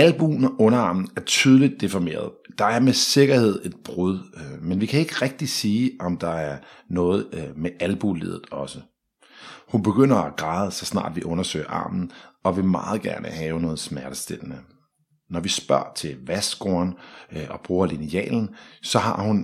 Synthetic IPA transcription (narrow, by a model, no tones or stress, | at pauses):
ælb̥unʔɔ̽nɐɑ̰̈mn̩æɐt͡sʰyːð̞ˠlid̥̚ːe̝fɒme̝̰ːɐð̞̩ˠd̥ɑ̈æɐmese̝ɡ̥ɐhe̝ð̞̰ˠe̝d̥̚b̥ʁuð̞ˠmenʋikʰæe̝ɡ̥əʁɛɡ̥̚d̥isiːɒ̽md̥ɑ̈æɐnɔ̽ːð̞̩ˠmeʔælb̥ulḭðˠð̩ˠɒ̽sə | hunb̥e̝ɡ̥øn̰ɐɒɡ̥ʁɑ̈ːð̞ˠsɒ̽snɑ̰̈ːd̥ʋiʔɔ̽nɐsø̰ɪ̰ɐʔɑ̰̈ːmn̩ɒ̽ʋe̝mɑ̈ːð̞̩ˠɡ̥æɐnʔəhɛːʊnɔ̽ːð̩ˠsmæɐɾ̥əsd̥e̝l̰nə | nɒʋisb̥ɶɐ̰t͡sʰe̝lʋæsɡ̥oɐnɒ̽b̥ʁuːɐliniɛ̰ːln̩sɒ̽ɦɑ̈hun